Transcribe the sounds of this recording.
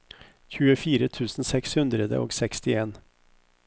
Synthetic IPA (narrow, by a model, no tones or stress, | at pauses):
çʉːəfiːɾət̪ʰʉːsn̩sɛkshɵnd̪ɾəd̪ə̰ʔɔ̰ksɛkst̪ɪeːn